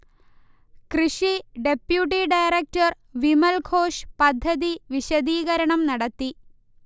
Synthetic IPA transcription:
krɨʂiɖepjuʈːiɖɐjrek̚tɐr | ʋimɐlkʰoːʂpɐd̪ʱːɐðiʋiɕɐðiːɣɐɾɐɳɐmnɐɽɐt̪ːi

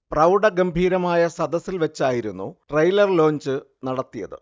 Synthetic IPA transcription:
prɐwɖɐɡɐmbʱiːɾɐmaːjɐsɐd̪ɐsilʋɐt͡ɕːaːjiɾunːṵʈrɐjlɐrlo̞ːɲd͡ʑɨ | nɐɽɐt̪ːijɐ̰ðɨ̰

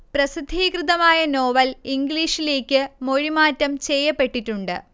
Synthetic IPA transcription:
prɐsid̪ʱːiːkrɨðɐmaːjɐno̞ːʋɐliŋɡliːʂile̞ːkʲːɨmo̞ɻimaːtːɐmt͡ɕejːɐpːe̞ʈːitːuɳɖɨ̰

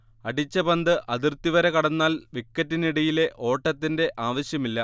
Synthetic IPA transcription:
ɐɽit͡ɕːɐbɐnd̪ɨʔɐðirt̪ːiʋɐɾekɐɽɐnːaːlʋikːɐtːiniɽɐjile̞ʔo̞ːʈːɐt̪ːinde̞ʔaːʋɐɕjɐmilːɐ

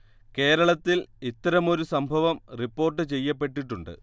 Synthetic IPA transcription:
ke̞ːɾɐɭɐt̪ːilit̪ːɐɾɐmo̞ɾusɐmbʱɐʋɐmripːo̞ːrʈ̬ːɨt͡ɕe̞jːɐp̬ːe̞ʈːiʈːuɳɖɨ̰

